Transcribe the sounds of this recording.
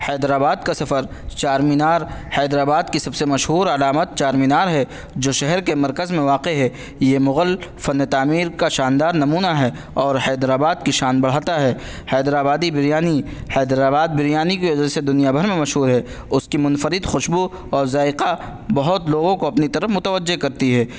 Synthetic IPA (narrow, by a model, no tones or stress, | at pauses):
hɛːd̪ɾaːbaːd̪̚kasɐfəɾ | t͡ʃaːɾminaːɾhɛːd̪ɾaːbaːd̪kisɐbsemɐʃɦuːɾɐlaːmət̪̚t͡ʃaːɾmiːnaːɾɦɛ | d͡ʒoːʃɛɦɛɾkemɐɾkəzmẽʋaːqeɦɛ | jemʊɣəlfɐnːt̪aːmiːɾkaʃaːnd̪aːɾnɐmuːnaɦɛ | ɔːɾɦɛːd̪ɾaːbaːd̪̚kiʃaːnbɐɽ̤aːt̪aɦɛ | hɛːd̪ɾaːbaːd̪ibɪɾjaːnihɛːd̪ɾaːbaːd̪̚bɪɾjaːnikiʋɐd͡ʒased̪ʊnijabʱɐɾmẽmɐʃɦuːɾɦɛ | ʊskimʊnfəɾɪd̪xʊʃbu | ɔːɾzaːɪqa | bɐɦʊt̪loːɡõkoɐpnit̪ɐɾəfmʊt̪əʋəd͡ʒːekɐɾt̪iɦɛː